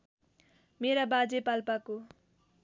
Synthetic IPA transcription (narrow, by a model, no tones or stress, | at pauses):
meɾabad͡zepalpako